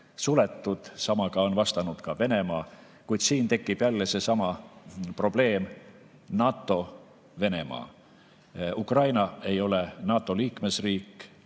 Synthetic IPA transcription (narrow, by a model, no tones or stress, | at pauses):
sulet̪ˑːud̪̥sɑmɑɡ̥ɑo̞nvɑst̪ɑnud̪̥kɑve̞ne̞mɑː | kujd̪̥siːnt̪e̞kːib̥jælːese̞sɑmɑpro̞b̥le̞ːm | nɑːt̪ːˑo̞ | ve̞ne̞mɑ̰ː | ukrɑjnɑe̞jo̞lenɑːt̪ːˑo̞liːkme̞sriːkːˑ